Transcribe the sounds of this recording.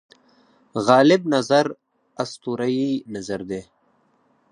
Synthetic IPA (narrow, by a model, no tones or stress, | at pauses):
ɣɑːlɪb̚nɐzaɾ | ɐst̪uɾajinazaɾd̪eː